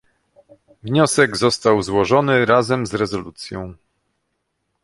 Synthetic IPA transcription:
vɲɔsɛɡzɔst̪awzwɔʐɔnɘɾazɛmzɾɛzɔlut̪sʲjɔ̃w̃

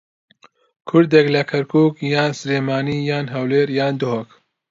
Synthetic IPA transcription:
kʰʊɾd̪eklɐkʰɐɾkʰuːkjaːnsleːmaːniːjaːnɦɐwleːɾjaːnd̪ʊɦok

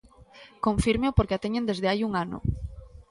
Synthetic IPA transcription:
kõɱfiɾmeopoɾkeat̪eɲend̪ezðeajuŋanʊ̰

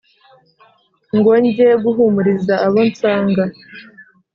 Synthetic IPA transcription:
ŋɡoɲɟeɡuɦumuɾizaaβont͡saːŋɡa

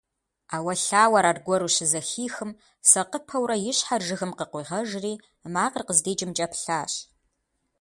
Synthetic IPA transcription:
aːwɐɬaːwɐɾaːrɡʷɔɾuːɕɪzɐxiːxɨm | sɐqəpʰɐwrɐjɪɕħarʒɨxɨmqəqʷiːʁɐʒriː | maːqərqəzdeːd͡ʒʼɪmd͡ʒʼɐpʰɬaːɕ

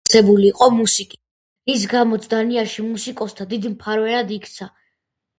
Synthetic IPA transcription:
ɛbuliːqʼɔmusikʼi | is̬ɡamɔt̪sʰd̪aniaɾʃimusikʼɔst̪ʰad̪id̪mpʰaɾvɛnad̪ikʰt̪sʰa

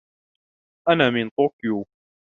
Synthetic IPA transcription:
ʔanaːmɪnt̪ˤoːkju

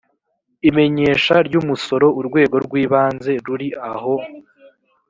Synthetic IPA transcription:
ime̞ɲe̞ːʃaɾɟuːmuso̞ɾo̞uɾɡwe̞ːɡo̞ɾɡwiːβaːnze̞ɾuɾiaho̞

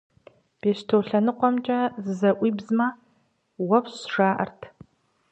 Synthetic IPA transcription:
b̥eːɕtʰoːɬɐnɨqʷɔmt͡ʃʼɐzɨzɐʔʷiːbzmɐ | wɐpʰɕʂaːʔɐ̰rtʰ

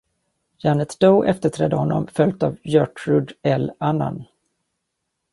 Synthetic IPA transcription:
janət̪d̪oːʔɛft̪əʈʰɾɛd̪ːəhɔnːɔ̰mfœlt̪avjœʈɾɵd̪ɛlanːa̰n

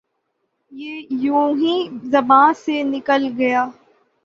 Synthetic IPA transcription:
jeːjũːɦĩzɐbãːsenɪkəlɡɐjaː

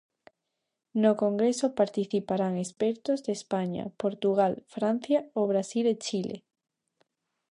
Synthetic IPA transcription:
nokoŋɡɾesopaɾt̪iθipaɾaŋespɛɾt̪ozðespaɲa̰poɾt̪uɣ̞alfɾan̟θjaoβ̞ɾasilet͡ʃilʔḛ

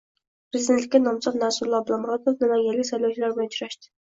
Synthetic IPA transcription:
pɾɪzid̪ent̪lɪkʲːɛnɑmsɑt̪næsulˠɑblˠɑmɾɑt̪ofd̪ɪlæŋjelʲːɡʲisɑjlˠɑwt͡ʃʰilæɾbojnt͡ʃʰyɾɛʃt̪ɪ̥

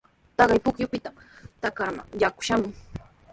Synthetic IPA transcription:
t̪ɑɢɑjpʊkjʊpɪt̪amt̪akaɾma̰ŋjakʊ̥ʃamʊŋ

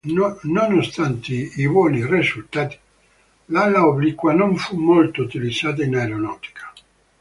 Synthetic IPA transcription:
nonost̪ant̪eibwɔːnirisult̪aːt̪i̥ | lalːaoblikːwanoɱfumːolt̪out̪ilid̪zːaːt̪̬ainajɾonɔːt̪i̥kʰḁ

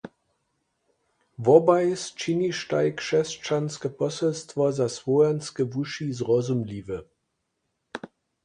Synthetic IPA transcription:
vɔbajst͡ʃiniʃtaɪkʃɛst͡ʃanskəpɔsɛlstvɔzasvoɛnskəvuʃizʁɔzumlivə

